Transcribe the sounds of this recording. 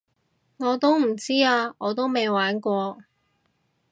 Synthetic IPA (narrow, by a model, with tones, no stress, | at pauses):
ŋɔː˨˧t̪o˥wm̩˨˩t͡siː˥aː˧ŋɔː˨˧t̪o˥wme˨˧jwaː˨˥nkʷɔː˧